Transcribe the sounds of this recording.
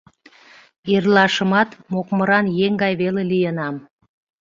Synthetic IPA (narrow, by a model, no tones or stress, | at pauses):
irlɑʃəmɑt̪mokmə̆ɾɑnjeŋɡɑjβelelijənɑm